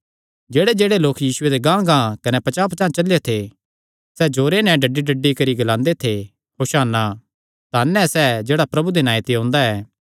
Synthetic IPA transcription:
d͡ʒeːɽed͡ʒeːɽeloːkjiːsʊed̪eɡãːɡãːkɐnɛpɐt͡ʃaːpt͡ʃãːt͡ʃɐlet̪ʰe | sɛd͡ʒoːɾenɛ̃ɖɐɖːiɖɐɖːikɐɾiɡɐlãːnd̪et̪ʰe | kʰoʃaːnːa | t̪aːnːɛsɛd͡ʒeːɽapɾɐbud̪enaːjt̪eɦõːnd̪aɛː

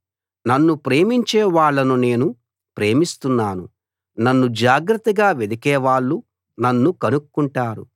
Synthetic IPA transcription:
nɐnːupɾe̞ːmiɲt͡ʃɛːʋaːɭːɐnune̞ːnu | pɾe̞ːmist̪unːaːnu | nɐnːud͡ʒaːɡɾɐt̪ːɐɡaːʋed̪ikɛːʋaːɭːu | nɐnːukɐnukkːuɳʈaːɾṵ

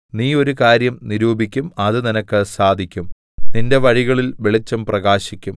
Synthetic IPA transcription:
niːo̞ɾukaːɾjɐmniɾuːbikʲːumɐðɨninɐkːɨsaːd̪ʱikʲːum | ninde̞ʋɐɻiɣɐɭilʋe̞ɭit͡ɕːɐmprɐɣaːɕikʲːum

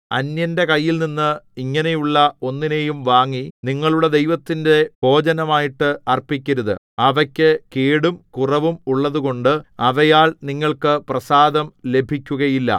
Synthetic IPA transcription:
ɐnjɐnde̞kɐjːilninːɨiŋːɐne̞juɭːɐo̞nːine̞jumʋaːŋːiniŋːɐɭuɽe̞d̪e̞jʋɐt̪ːinde̞bʱo̞ːd͡ʑɐnɐmaːjiʈːɨɐrpikʲːɐɾuðɨ̰ | ɐʋɐkʲːɨkeːɽumkurɐʋumuɭːɐðuɣo̞ɳɖɨɐʋɐjaːɭniŋːɐɭkɨprɐsaːd̪ɐmle̞bʱikʲːuɣɐjilːɐ̰

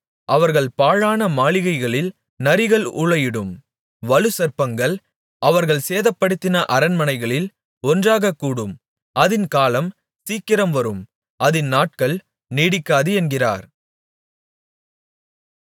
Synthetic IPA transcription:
ʔɐʋɐɾɣɐɭpaːɻaːnɐmaːɭɪɣɐɪɣɐɭɪl | nɐɾɪɣɐɭʊɭɐjɪɽɯm | ʋɐɻɯsɐɾpɐŋɡɐɭ | ʔɐʋɐɾɣɐɭseːðɐpːɐɽɯt̪ːɪnɐʔɐɾɐnmɐnɐɪɣɐɭɪl | ɔndraːɣɐkːuːɽɯm | ʔɐðɪnkaːlɐm | siːkːɪɾɐmʋɐɾɯm | ʔɐðɪnːaːʈ̚kɐɭ | niːɽɪkːaːðɯɛnɡɪra̰ːɾ

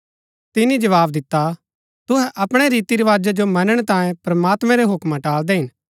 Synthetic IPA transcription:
t̪ɪnid͡ʒɐʋaːbd̪ɪt̪ːa | t̪ʊɦɛʔɐpɽ̃eɾiːt̪iɾeʋaːd͡ʒad͡ʒomɐnəɽ̃t̪ãːjẽpɾɐmaːt̪mɛ̃ɾeɦʊkmaʈaːld̪eɦɪn

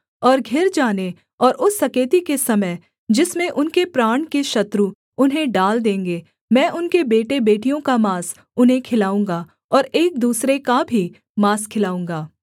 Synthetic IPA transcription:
ɔːɾɡʱɪɾd͡ʒaːne | ɔːɾʔʊsːɐkeːt̪ikesɐməj | d͡ʒɪsmẽʔʊnkepɾaːɳ̃keʃɐt̪ɾu | ʊnɦẽɖaːld̪ẽːŋɡeː | mɛ̃ːʔʊnkebeːʈebeːʈijõkamaːs | ʊnɦẽkʰɪlaːũːŋɡa | ɔːɾeːk̚d̪uːsɾekabʱi | maːskʰɪlaːũːŋ̆ɡaː

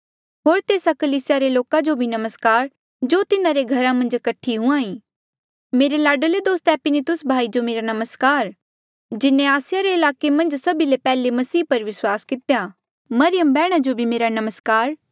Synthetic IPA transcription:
ɦoːɾt̪eːsakɐliːsɪjaɾeloːkad͡ʒobʱinɐməskaːɾ | d͡ʒoːt̪ɪnãɾeɡʱɐɾãmɐ̃nd͡ʒkɐʈʰːiɦʊ̃ãːĩː | meːɾelaːɖəled̪oːst̪ɛːpɪnit̪ʊsbʱaːid͡ʒomeːɾanɐməskaːɾ | d͡ʒɪnẽaːsɪjaɾeɪlaːkemɐ̃nd͡ʒsɐbilepɛːlemɐsiːpɐɾʋɪswaːskɪt̪eja | mɐɾɪjəmbɛːɽ̃ad͡ʒobʱimeːɾanɐməskaːɾ

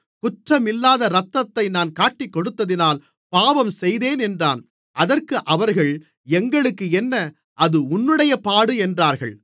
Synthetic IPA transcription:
kʊʈrɐmɪlːaːðɐɾɐt̪ːɐt̪ːɐɪnaːnkaːʈːɪkːɔɽɯt̪ːɐðɪnaːl | paːʋɐmsɛjðeːnɛndraːn | ʔɐðɐrkɯʔɐʋɐɾɣɐɭ | ɛŋɡɐɭɯkːɯɛnːɐ | ʔɐðɯʊnːɯɽɐjɐpaːɽɯɛndraːɾɣɐ̰ɭ

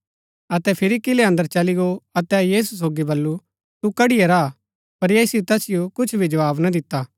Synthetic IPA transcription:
ɐt̪ɛpʰɪɾikɪleɐ̃nd̪əɾt͡ʃɐliɡoɐt̪ɛjiːs̬us̬oːɡibɐlːu | t̪ukɐɽɪijeɾa | pɐɾjeːsɪot̪ɛsɪjokʊt͡ʃʰbʱid͡ʒɐʋaːbnad̪ɪt̪ːaː

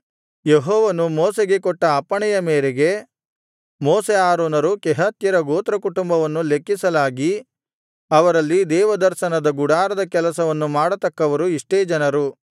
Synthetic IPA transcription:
jeɦɔːʋɐnumɔːseɡe̞kɔʈːɐːpːɐɳɛjɐmeːɾeɡe̞ | mɔːseaːɾoːnɐɾukɛɦɐt̪jɐɾɐɡoːt̪ɾɐkuʈumbɐʋɐnːule̞kːisɐlaːɡi | ɐʋɐɾɐlːid̪ɛːʋɐd̪ɐɾʃɐnɐd̪ɐɡuɽaːɾɐd̪ɐkɛlɐsɐʋɐnːumaːɽɐt̪ɐkːɐʋɐɾuiʂʈeːd͡ʒɐnɐɾu

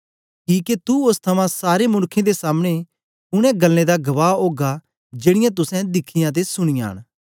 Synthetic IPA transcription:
kiːket̪uʊst̪ʰɐmãsaːɾemʊɽkʰːẽd̪esaːmɽ̃e | ʊɽ̃ɛ̃ɡɐlːẽd̪aɡɐʋaːoːɡa | d͡ʒeːɽ̃ɪjãt̪̬ʊsɛ̃d̪ɪkʰːɪjãt̪̬esʊɽ̃ɪjã̰ɦə̰ɽ̃

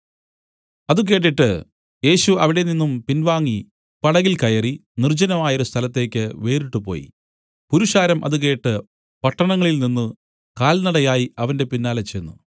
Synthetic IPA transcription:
ɐðuk̬e̞ːʈ̬ːiʈːɨ̰ | je̞ːɕuɐʋiɽe̞ninːumpinʋaːŋːi | pɐɽɐɣilkɐjɐrinird͡ʑɐnɐmaːjoɾust̪ʰɐlɐt̪ːe̞ːkʲːɨʋe̞ːɾiʈːupo̞̰ːjḭ | puɾuʂaːɾɐmʔɐ̰ðuke̞ːʈːɨ | pɐʈːɐɳɐŋːɐɭilninːɨ | kaːlnɐɽɐjaːjiɐʋɐnde̞pinːaːlɐt͡ɕejnːṵ

